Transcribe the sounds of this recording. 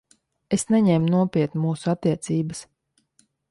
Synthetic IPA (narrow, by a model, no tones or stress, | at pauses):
esnɛɲɛmnuɔpʲiɛt̪nʲmuːsuat̪ːiɛt̪siːbəs